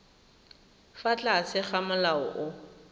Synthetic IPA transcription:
fat͡ɬʼasɪχamalaɔ̰ʔʊ

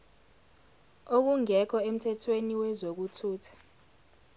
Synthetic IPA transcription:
ok̬uŋɛkʰɔem̩tʰɛtʰweniwɛzok̬utʰuːtʰḁ

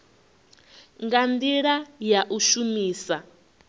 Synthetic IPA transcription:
ŋɡandiɺajaʔuʃumiːsa

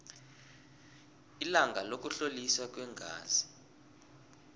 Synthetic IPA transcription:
ilaŋɡʱalok̬ʼuɬoliswak̬ʼwɛŋɡʱa̰ːzi

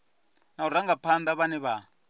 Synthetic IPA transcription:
nauraŋɡapʰand̪aβanɛβa

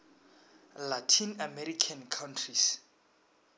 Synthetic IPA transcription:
latʰinamɛɾikʰãnkʰawntʰris

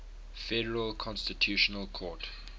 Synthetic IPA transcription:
fɛɾəɹəlkʰɔ̃nstitʰjuːʃɔnəlˠkʰɔːˑt

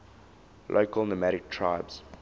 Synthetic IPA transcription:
lʔo̰ʊkəlnəmæɾɪk̚tʰɹaɪbz̥

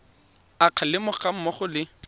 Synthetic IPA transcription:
aq͡χʰalɪmʊχam̩mɔχʊlɪ

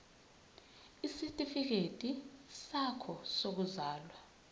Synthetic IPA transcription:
isitʼifik̬etʼisakʰɔsok̬uzaːlwa

